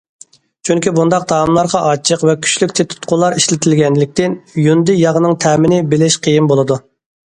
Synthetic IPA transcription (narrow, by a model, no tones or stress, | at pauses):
t͡ʃʰyŋkʲibund̪ɑq̚d̪ɑːmlˠɑɾʁɑʔɑt͡ʃʰəqvɛkʲʰy̥t͡ʃlykʲt͡ʃ̪ʰet̪ʰu̥t̪qʰʊlˠːɑɾiʃlɪt̪ʰɪlɡʲɛnlɪk̚ʲt̪ɪnjund̪ɪjɑʁənɨŋt̪ʰɛːmɪnɪbɪlɪʃqʰəjimbolˠɨd̪u